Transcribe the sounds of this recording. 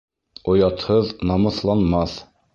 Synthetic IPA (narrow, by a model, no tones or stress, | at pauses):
ŏjɑt̪hɤðnɑmɤ̆θlˠɑnmɑθ